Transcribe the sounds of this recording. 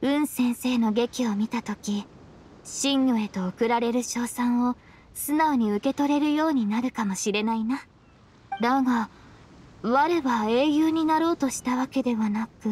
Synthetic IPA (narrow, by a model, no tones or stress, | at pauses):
ɯ̟̃ɰ̃sẽ̞ɰ̃se̞ːno̞ɡe̞kʲio̞mʲit̪at̪o̞kʲi | ɕĩɲjoe̞t̪o̞ːkɯ̟ɾaɾe̞ɾɯ̟ɕo̞ːsãɰ̃o̞ | sɨnao̞ɲ̟iɯ̟ke̞t̪o̞ɾe̞ɾɯ̟jo̞ːɲ̟inaɾɯ̟kamo̞ɕiɾe̞naina | d̪aɡa | βaɾeβae̞ːjɯːɲ̟inaɾo̞ːt̪o̞ɕi̥t̪aβake̞d̪e̞βanakɯ̟